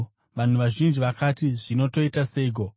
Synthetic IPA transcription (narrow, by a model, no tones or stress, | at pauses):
ʋan̤uʋaʒind͡ʒiʋakatiʐino̞to̞itaseiɡʱo